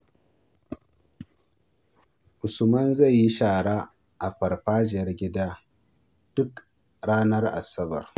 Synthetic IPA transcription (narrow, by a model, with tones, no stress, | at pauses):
ʔʊ˨sʊ˨mɐ˦nza˦˨jːi˦ʃaː˨ɽaː˦ | ʔa˨ɸɐ˨rɸaː˦d͡ʒɪ˨ɐ˦rɡʲɪ˦daː˦ | d̥ʊ˦k | ɽaː˦nɐ˦rʔa̰˨sɐ˦bɐ̰˨r